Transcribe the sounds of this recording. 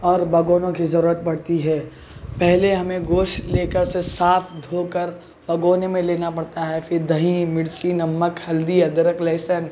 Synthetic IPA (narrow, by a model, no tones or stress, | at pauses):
ɔːɾbɐɡoːnõkizɐɾuːɾət̪̚bɐɽ̤t̪iɦɛː | pɛɦleɦɐmẽɡoːʃleːkəɾsesaːfʰd̪ʱoːkəɾ | b̥ɐɡoːnemẽleːnapɐɽt̪aɦɛfʰɪɾd̪ʱɐɦĩmɪɽt͡ʃinɐmːəkhɐld̪iɐd̪ɾəklɛːɪsən